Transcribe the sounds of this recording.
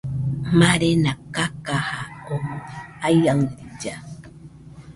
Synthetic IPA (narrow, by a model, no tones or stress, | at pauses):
maɾenakakahaomajaŋd̪id͡ʒa